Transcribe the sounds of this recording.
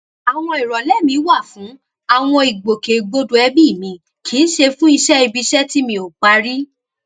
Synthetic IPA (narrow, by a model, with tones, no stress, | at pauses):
a˨w̃ɔ̃˧i˨ɾɔ˨lɛ˦˨mĩ˧˦wa˦˨fũ˨˦ | a˦˨w̃ɔ̃˧i˨ɡ͡bo˨ke˨ɡ͡bo˧du˨ɛ˧bi˦˨mĩ˨˧ | kʰi˨˦n̩˦ʃe˧fũ˦i˧ʃɛ˦i˧bi˧ʃɛ˦ti˦mĩ˧o˨k͡pa˧ɾi˦